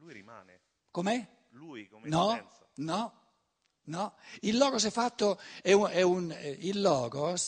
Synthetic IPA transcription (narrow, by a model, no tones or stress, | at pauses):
komɛ | nɔ | nɔ | nɔilːɔːɡos̬ɛfːat̪ːoɛuɛunilːɔːɡos